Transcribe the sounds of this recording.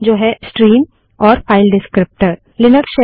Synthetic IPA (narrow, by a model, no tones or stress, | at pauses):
d͡ʒoːɦɛsʈɾiːm | ɔːɾfʰaːɪlɖɪskɾɪp̚ʈəɾ | lɪnəɾʃe